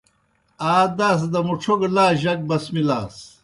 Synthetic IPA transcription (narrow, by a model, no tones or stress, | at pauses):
aːd̪aːs̬d̪ɐmuʈ͡ʂʰuɡlaːʑɐk̚bɐsmilaːs